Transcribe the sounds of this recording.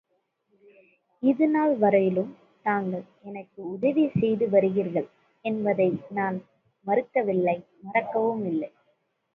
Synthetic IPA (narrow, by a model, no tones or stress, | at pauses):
ɪðɯnaːlʋɐɾɐjɪlɯm | naːŋɡɐɭ | ɛnɐkːɯʊðɐʋisɛjðɯʋɐɾɯɣiɾɣɐɭ | ɛnbɐðɐɪnaːn | mɐɾɯkːɐʋɪlːɐɪ | mɐɾɐkːɐʋɯmɪlːɐɪ